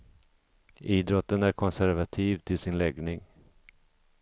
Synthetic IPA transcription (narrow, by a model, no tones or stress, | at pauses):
ʔiːd̪ɾɔt̪ːənæɾkʰɔnsæɾvat̪ʰiːvt̪ʰɪlsɪnlɛɡnɪŋ